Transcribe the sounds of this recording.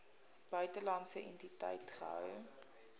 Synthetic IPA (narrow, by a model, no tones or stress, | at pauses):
b̥œɥtəlɐntsəʔɛntitɛ̰jtχə̰ɦœ̰w